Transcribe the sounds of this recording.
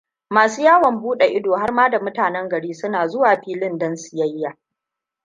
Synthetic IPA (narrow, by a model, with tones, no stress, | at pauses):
maː˨suː˦jaː˦wɐ˨mbuː˦ɗe˨ʔɪ˦doː˨ɦa˦rmaː˦da˨mʊ˦taː˨nɛ˦ŋɡɐ˨ɽiː˦sʊ˦naː˨zʊ˦waː˨ɸiː˦lɪ˦ndɐ˦nsɪ̥˨jɐ˦jːaː˨